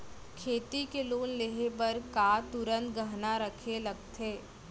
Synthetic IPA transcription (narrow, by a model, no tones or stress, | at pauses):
kʰeːt̪ikeloːnleɦepɐɾkaːt̪ʊɾə̃nt̪ɡəɦnaɾəkʰelɐɡ̚t̪ʰeː